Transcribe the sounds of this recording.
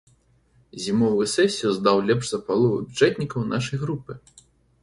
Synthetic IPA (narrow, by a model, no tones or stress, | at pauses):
zʲimɔvɨsɛsʲiuzd̪awlʲɛpʐzɐpalˠuvɨbʲut͡ʂɛt̪ʲnʲikɐwnaʂɐjɣɾupɨ